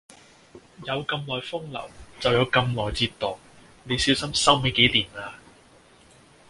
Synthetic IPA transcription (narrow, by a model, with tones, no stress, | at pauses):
jɐ˨˧wkɐ˧mlɔː˨˩jfʊ˥ŋlɐ̰˨˩wt͡sɐ˨wjɐ˨˧wkɐ˧mlɔː˨˩jt͡siː˧t̪ːɔː˨˩k̚ | ne˨˧jsiː˨˥wsɐ˥msɐ˥wme˨˧jke˨˥jliː˨˩naː˧